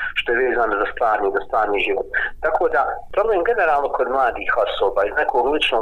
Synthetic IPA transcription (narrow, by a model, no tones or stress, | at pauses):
ʃt̪ojeʋeːzaːnozast̪ʋaːɾniːzast̪ʋaːɾniːʒiʋot̪ːakʰoːd̪apɾo̞bleːmɡe̞ne̞ɾaːlˠnokʰo̞d̪mlˠaːd̪iːho̞soːbaːiznekʰoːɡlˠit͡ʃnoː